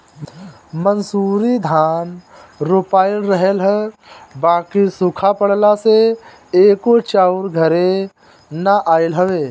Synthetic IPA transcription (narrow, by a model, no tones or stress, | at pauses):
mənsuːɾid̪ʱaːn | ɾoːpaːɪlɾəɦelɦɛbaːkisʊkʰapəɽlase | eːkot͡ʃaːʊɾɡʱəɾẽ | naʔaːɪlɦəʋeː